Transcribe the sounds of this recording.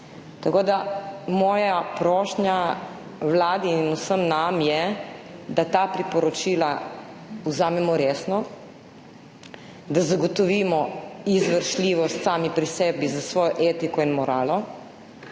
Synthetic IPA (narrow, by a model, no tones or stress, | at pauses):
t̪ɐkoːd̪amɔːjapɾɔːʃnja | wlaːd̪iːnusəmnamjɛ | d̪at̪apɾipɔɾɔt͡ʃiːla | uzaːmɛmɔɾesnɔ | d̪azaɡɔt̪ɔʋiːmɔizʋəɾʃliːʋɔst̪saːmipɾisɛbizasʋɔːjɔʔeːt̪ikɔinmɔɾaːlɔ